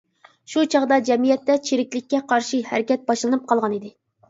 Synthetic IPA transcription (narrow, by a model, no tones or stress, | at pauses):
ʃut͡ʃʰɑʁd̪ɑd͡ʒɛmijɛt̪ːɛt͡ʃʰiɾɪkʲlɪkʲːɛqʰɑɾʃihæ̰ɾɪkʲɛt̪̚bɑʃlˠɨnɨp̚qʰɑlˠʁɑnid̪ɪ